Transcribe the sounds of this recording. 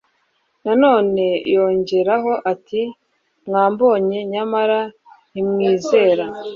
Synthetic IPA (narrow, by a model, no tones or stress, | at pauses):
nano̞ːne̞jo̞ːɲɟe̞ɾaɦo̞ʔati | mŋaːmbo̞ːɲe̞ɲamaɾa | nimŋiːze̞ːɾa